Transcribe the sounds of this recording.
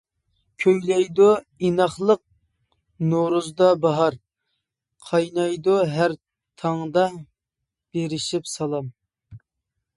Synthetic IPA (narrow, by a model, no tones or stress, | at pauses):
kʲʰøjlɛjd̪u | inɑχlˠəq̚ | noɾuzd̪ɑbɑɦɑɾ | qʰɑjnɑjd̪ʊɦæɾ | t̪ʰɑŋd̪ɑ | b̥eɾɪʃipsɑlˠɑm